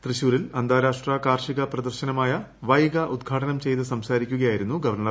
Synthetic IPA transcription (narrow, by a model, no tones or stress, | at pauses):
t̪rɨɕuːɾilɐnd̪ʱaːɾaːʂʈraːkaːrʂiɣɐprɐd̪ɐrɕɐnɐmaːjɐ | ʋɐjɣɐʔud̪ɡʱaːʈɐnɐmt͡ɕe̞jt̪ɨsɐmsaːɾikʲːuɣɐjaːjiɾunːuɡɐʋɐrɳɐ